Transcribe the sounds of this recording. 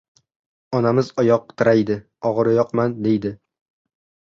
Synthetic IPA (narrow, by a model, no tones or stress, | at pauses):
ɒnamɪzɒjɒq̚t̪ʰɪɾajd̪ɪ | ɒʁɨɾɒjɒqmand̪e̞jd̪ɪ